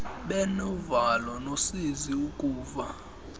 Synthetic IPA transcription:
ɓɛnuvalɔnosiziukʼuːva

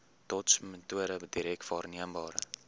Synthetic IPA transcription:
tɔtsmətuəɾəbədiɾɛk̚tfɑːrniəmbɑːɾə̰

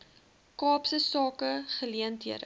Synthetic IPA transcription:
kɑːpsəsɑːkəχəliəntɦiəɾə̰

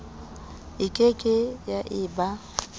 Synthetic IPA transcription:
ɪkʼekʼɪjaʔɪːba

